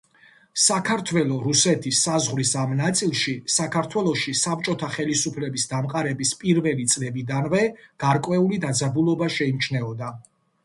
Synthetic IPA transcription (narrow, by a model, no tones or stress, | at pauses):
sakʰaɾt̪ʰwɛlˠɔɾusɛt̪ʰisːazʁwɾisamnat̪sʼilˠʃisakʰaɾt̪ʰwɛlˠɔʃisap̚t͡ʃʼɔt̪ʰaχɛlisupʰlɛbisd̪amqʼaɾɛbispʼiɾvɛlit̪sʼlɛbid̪anvɛɡ̥aɾkʼwɛulid̪ad̪zabulˠɔbaʃɛimt͡ʃʰnɛɔd̪a